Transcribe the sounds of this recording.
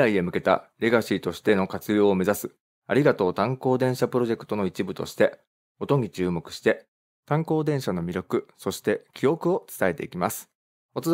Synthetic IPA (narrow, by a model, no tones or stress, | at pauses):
aie̞mɯ̟ke̞t̪a̰ɾe̞ɡaɕiːt̪o̞ɕi̥t̪e̞no̞kat͡sɨjo̞ːme̞zasɨ | aɾʲiɡat̪o̞ːt̪ãŋko̞ːd̪ẽ̞ɕapɯ̟ɾo̞ʑe̞kɯ̟̥t̪o̞no̞it͡ɕibɯ̟t̪o̞̰ɕi̥t̪e̞ | o̞t̪o̞ŋ̟ʲit͡ɕɨːmo̞kɯ̟̥ɕi̥t̪e̞ | t̪ãŋko̞ːd̪ẽɰ̃ɕano̞mʲiɾʲjo̞kɯ̟so̞ɕi̥t̪e̞kʲio̞kɯ̟o̞t͡sɨ̥t̪ae̞t̪e̞̰ikʲimasɨ̥ | o̞t͡s